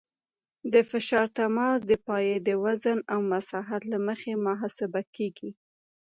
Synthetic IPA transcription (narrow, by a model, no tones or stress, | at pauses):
d̪əfɪʃɑɾt̪amɑs̬d̪əpɑjed̪əwazənawmasɑɦat̪laməxemʊɦɑsɪbakeɡi